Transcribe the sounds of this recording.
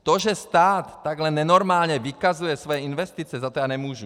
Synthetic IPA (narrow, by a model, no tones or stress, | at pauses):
t̪ɔʒɛst̪aːt̪ːaɡlɛnːɛnɔɾmaːlɲɛʋikazujɛsʋɔjɛinʋɛst̪iːt͡sɪɛzat̪ɔjanɛmuʒu